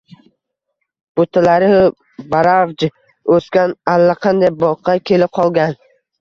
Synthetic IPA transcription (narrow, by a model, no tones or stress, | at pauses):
b̥ot̪ʰalaɾɪhʊ | baɾavd͡ʒ | ɵskʲanalːaqʰɑnd̪ajbɒqʰːɑkʲʰe̞lɪp̚qʰɒlˠɡʲan